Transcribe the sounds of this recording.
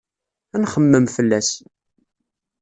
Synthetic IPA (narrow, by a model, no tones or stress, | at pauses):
ænχəmːəmfəlːæs